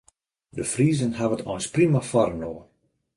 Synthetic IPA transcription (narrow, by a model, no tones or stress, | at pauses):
dəfriːzənhavətʰɔjnsprimafɔɾənoːə